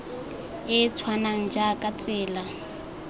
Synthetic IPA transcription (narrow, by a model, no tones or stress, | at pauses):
ɪt͡sʰwanaŋ̩d͡ʒakʼat͡sʼɛːla